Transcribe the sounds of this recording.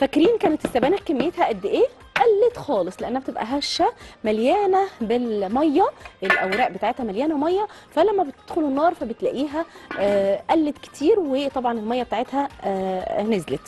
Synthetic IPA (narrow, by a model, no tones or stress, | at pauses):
fækɾiːnkæːnet̪esːæbæːnækːemːejet̪hæʔæd̪ːeʔeː | ʔælːet̪xɑːlesˤleʔænːæb̚t̪ebʔæ̰ɦæʃːæmæljæːnæbelmɑjːæʔelʔæwɾæːʔbet̪aːʕet̪hæmæljæːnæwmɑjːɑfælæmːæbet̪ed̪xolenːɑːɾˤfæbet̪læʔiːɦæ | ʔælːet̪ke̥t̪ʰiːɾwet̪ˤɑbʕɑnelmɑjːɑbet̪aʕet̪hæ | nezlet̪